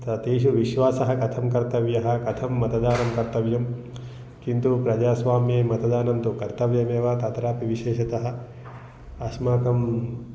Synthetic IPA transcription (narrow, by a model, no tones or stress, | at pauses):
t̪ɐt̪eːʃ̬uʋiʃʋaːsɐɦɐ̆kɐt̪ʰɐmkɐɾt̪ɐʋjɐɦɐ̆kɐt̪ʰɐmːɐt̪ɐd̪aːnɐmkɐɾt̪ɐʋjɐm | kint̪upɾɐd͡ʒaːsʋaːmjeːmɐt̪ɐd̪aːnɐnt̪ukɐɾt̪ɐʋjɐmeːʋat̪ɐt̪ɾaːpiʋiʃeːʃɐt̪ɐɦɐ̆ | ɐʃmaːk̪ɐm